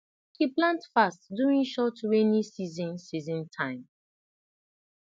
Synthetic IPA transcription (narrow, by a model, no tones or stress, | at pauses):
kiplãntfastduĩŋʃɔtɹenisizɔ̃nsizɔ̃ntʰãɪ̃m